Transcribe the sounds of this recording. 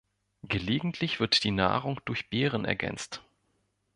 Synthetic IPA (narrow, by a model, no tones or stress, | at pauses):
ɡ̥əleːɡŋ̩tʰlɪçv̥ɪɐtd̥iːna̰ːʁʊŋd̥ʊɐçb̥eːʁ̞ənʔɛ̰ɐɡɛ̰nt͡st